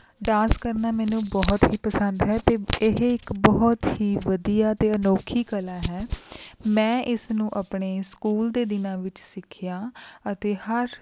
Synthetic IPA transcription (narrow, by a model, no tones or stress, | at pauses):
ɖãːnskəɾnaːmɛːnũːbɔːt̪ɦiːpəsənd̪ɦɛːt̪eːɪɦɪkbɔːt̪ɦiːʋəd̪ijaːət̪eːənoːkʰiːkəlaːɦɛːmɛ̃ːʔɪsnũːʔapɳeːskuːld̪eːd̪ɪnãːʋɪt͡ʃsɪkʰɪjaːət̪eːhəɾ